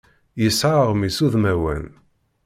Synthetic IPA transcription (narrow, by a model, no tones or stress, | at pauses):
jəsʕaʁmisuðmæwæ̰n